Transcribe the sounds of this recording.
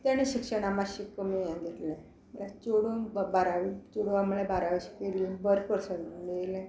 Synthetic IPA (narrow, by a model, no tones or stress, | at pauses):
t̪jañiɕikʂəɽ̃amaɕikːəmijãɡet̪lẽ | məɭat͡ɕoɽunbbaɾaʋit͡ɕoɽuamuɭabaɾaʋəɕi̥kelinbəɾpəɾsənnelẽ